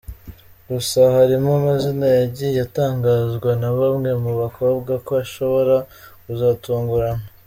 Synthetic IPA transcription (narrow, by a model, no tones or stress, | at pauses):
ɡusahaɾimomazinajaɟijataːŋɡaːzɡwanaβamŋe̞muβakobɡakoaʃo̞βo̞ɾakuzaːtuːŋɡuɾana